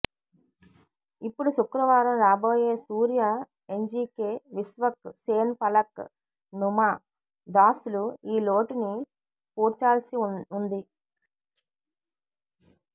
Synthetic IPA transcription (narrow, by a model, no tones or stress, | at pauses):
ipːuɽusukɾɐʋaːɾɐmɾaːbo̞ːje̞ːsuːɾja | eɲd͡ʒiːkeːʋisʋɐkseːnpɐlɐk | numaː | d̪aːsuluiːlo̞ːʈini | puːɾt͡ʃaːlsiund̪i